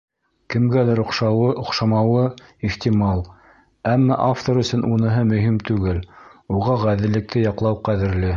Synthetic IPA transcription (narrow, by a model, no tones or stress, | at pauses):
kɘ̆mɡælæɾŏqʃɑɤŏqʃɑmɑwɤiχt̪ʲimɑlˠ | æmːæʔaft̪oɾɵ̆sɵnʔunɤ̆ɦɤmɵ̆ɦimt̪ʉɡɘluʁɑʁæðɘ̆lːɘ̆k̚t̪ʰɘjɑqlˠɑwqæðɘ̆ɾlɘ